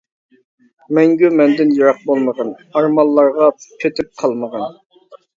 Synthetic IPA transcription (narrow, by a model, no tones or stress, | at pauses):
mɛŋɡʲymɛnd̪ɪnjɑɾɑq̚bolˠməʁɑnɑɾmɑlˠːɑɾʁɑpʰet̪ʰɪp̚qʰɑlˠməʁɑn